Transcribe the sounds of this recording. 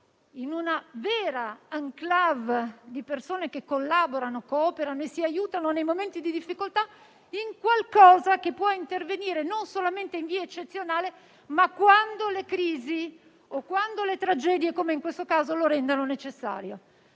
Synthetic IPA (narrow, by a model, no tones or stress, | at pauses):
inunaveːɾaaŋklavd̪ipersoːnekekːolːaːboɾanokːoɔːpeɾanoesːiajuːt̪anonejmoment̪id̪id̪ifːikolt̪a | iŋkwalkɔːzakepːwɔint̪erveniːɾenonsolament̪eiɱviːaet͡ʃːet̪sjonaːle | makːwand̪olekɾiːzi | okːwand̪olet̪ɾad͡ʒɛd̪jekomeiŋkwest̪okaːzoloɾɛnd̪anonet͡ʃesːa̰ːɾjo